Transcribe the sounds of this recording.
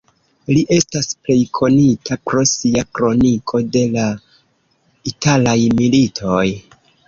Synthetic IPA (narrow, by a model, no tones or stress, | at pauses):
liʔe̞stasple̞jkʰo̞nitʰapɾo̞siakɾo̞nikʰo̞de̞la | italajmilitʰo̞j